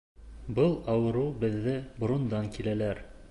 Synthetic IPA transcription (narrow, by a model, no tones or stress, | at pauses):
bɤlˠɑwɤ̆ɾɤwbɘ̆ðːɘbŏɾŏnd̪ɑŋkilælæɾ